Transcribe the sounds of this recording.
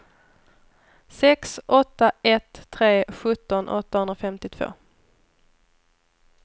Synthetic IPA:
sɛksʔɔt̪ːaɛt̪ʰːɾeːɧɵt̪ːɔnʔɔ̰t̪ːahɵnd̪ɾafɛmt̪ɪt̪ʰv̥o̰ː

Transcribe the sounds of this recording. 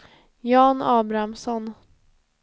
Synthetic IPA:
jɑːnɑːbɾamsɔn

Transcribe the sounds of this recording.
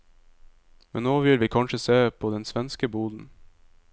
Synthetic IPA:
mɛnnːoːʋɪlʋiːkʰɑnʃəseːpʰoːd̪ɛnsʋɛnskəbuːd̪n̩

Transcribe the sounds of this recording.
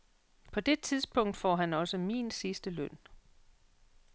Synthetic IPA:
pʰɒ̽d̥e̝t͡sʰiðˠsb̥ɔ̽ŋ̰d̥fɒ̰ːɦænɒ̽səmḭːnsisd̥əløn̰

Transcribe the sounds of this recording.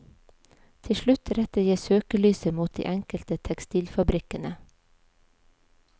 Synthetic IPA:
t̪ʰɪʃlʉt̪ʰɾɛt̪əjiːsøːkəlyːsəmuːt̪̚d̪ḭːʔɛŋkəlt̪ət̪ʰɛkst̪iːlfɑbɾɪkənə

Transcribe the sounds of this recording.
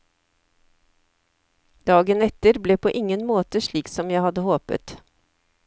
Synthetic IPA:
d̪ɑːɡənɛt̪əɾbleːpʰoːʔɪŋənmoːt̪əʃɭiːksɔmjæɪhɑd̪əhoːpə̰t̪

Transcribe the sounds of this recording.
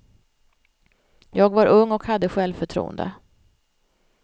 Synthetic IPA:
jɑːɡvaɾʔɵŋːɔkhad̪ːəɧɛlvfœʈʰɾṵːnd̪ə̰

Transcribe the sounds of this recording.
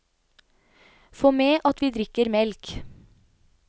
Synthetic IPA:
foːmeːʔɑt̪ʋiːd̪ɾɪkəɾmɛlk

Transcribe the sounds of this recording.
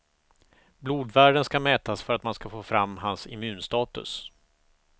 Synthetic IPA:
bluːd̪væːɖənskamɛːt̪asfœɾat̪manskafoːfɾamːɦansɪ̰mʉ̟ːnst̪ɑːt̪ɵ̰s

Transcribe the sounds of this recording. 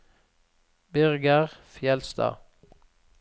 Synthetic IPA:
bʏʁɡəʁfjɛlst̪ɑ̰ː

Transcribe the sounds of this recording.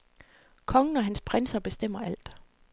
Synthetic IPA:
kʰɒ̽ŋn̩ɒ̽ɦænspʰʁɛnsɐb̥e̝sd̥em̰ɐæl̰d̥

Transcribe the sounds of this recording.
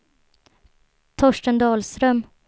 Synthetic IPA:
t̪ʰɔʂʈənd̪ɑːlst̪ɾœm

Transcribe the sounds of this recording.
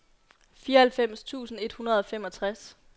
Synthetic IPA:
fiːɐhælfem̰st͡sʰṵːsn̩e̝d̥hunɐð̞ˠɒ̽fem̰ɒ̽t͡sʰʁas

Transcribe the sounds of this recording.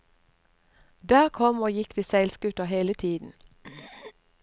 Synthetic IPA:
d̪æːʁkʰɔmoːjɪkd̪iːsæɪlsɡʉt̪əheːlət̪ʰiːd̪n̩

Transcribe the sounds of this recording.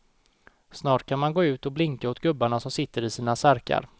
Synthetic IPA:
snɑːʈkʰanmanɡoːʉ̟ːt̪ɔblɪŋkaʊt̪ɡɵbːaɳasɔmsɪt̪ːəɾɪsiːnasæɾka̰ɾ

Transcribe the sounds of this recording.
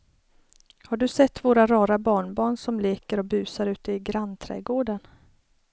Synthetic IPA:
haɖɵsɛt̪ːvoːɾaɾɑːɾabɑːɳbɑːɳsɔmleːkəɾɔbʉ̟ːsaɾʉ̟ːt̪əɪɡɾant̪ʰɾɛ̰ːɡoːɖən

